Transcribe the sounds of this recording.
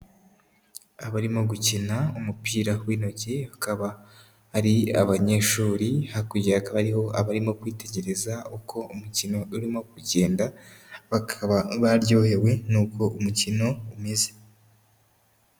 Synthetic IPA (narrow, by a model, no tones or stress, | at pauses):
aβaɾimo̞ɡucinaumupiːɾawiːno̞cehakaβa | hːɾia̰βaɲe̞ʃuːɾihakuɟeakaβaɾiho̞ʔa̰βaɾimo̞kwiːte̞ɟe̞ɾe̞zaukʰo̞umucino̞uɾimo̞kuɟe̞ːndaβakʰaβaβaɾjo̞ːhe̞we̞nuːko̞umucino̞umeze̞